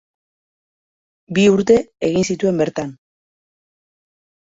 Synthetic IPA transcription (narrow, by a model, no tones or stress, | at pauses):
biuɾt̪e̞eɣinsit̪ue̞mbe̞ɾt̪an